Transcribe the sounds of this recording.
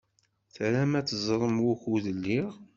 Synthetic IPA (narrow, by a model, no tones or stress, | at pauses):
θɾæmæt͡sːəzˤɾˤəmwʊçuðəlːiʁ